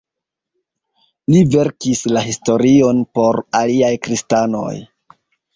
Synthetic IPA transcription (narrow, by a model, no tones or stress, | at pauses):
live̞ɾkislaɦisto̞ɾio̞npo̞ɾaliajkɾistano̞̰j